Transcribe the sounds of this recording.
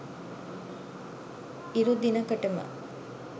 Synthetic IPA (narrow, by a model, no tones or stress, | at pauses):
iɾud̪inɐkɐʈɐmə̰